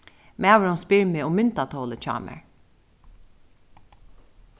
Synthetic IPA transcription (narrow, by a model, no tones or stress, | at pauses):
mɛʋɹɔnspɪɹmeːʊmʏnt̪at̪ʰoːlət͡ʃʰɑ̰ːmɛ̰ɹ